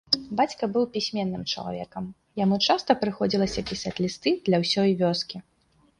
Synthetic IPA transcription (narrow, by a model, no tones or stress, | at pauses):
bat͡sʲkɐbɨwpʲisʲmʲɛnːɨmt͡ʂɐ̰lˠa̰vʲɛ̰kɐm | jamut͡ʂast̪ɐpɾɨxɔd͡zʲilˠɐsʲɐpʲisat͡sʲlʲist̪ɨd̪lʲɐwsʲɔjvʲɔskʲi